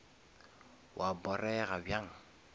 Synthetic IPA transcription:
wʔabɔɾɛɣabjaŋ

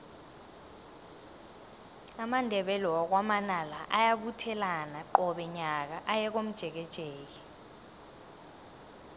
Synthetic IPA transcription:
amandʱɛɓɛlɔɔk̬wamanalaʔajaɓutʰɛlanaǃɔɓɛɲak̬aʔajɛk̬om̩d̥ʒ̥ʱɛk̬ɛd̥ʒ̥ʱɛːk̬ɛ̥

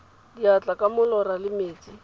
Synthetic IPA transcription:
diat͡ɬʼakʼamʊlɔralɪmeːt͡sʼi

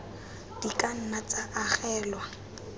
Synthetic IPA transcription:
d̥ikʼan̩nat͡saʔaχɛːlwa

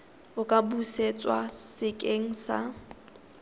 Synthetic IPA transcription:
ʊkʼabuset͡sʼwasɪkʼeŋ̩sa̰

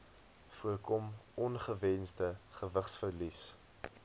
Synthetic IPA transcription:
fuəkɔmɔnχəvɛnzdəχəvəχsfərlis

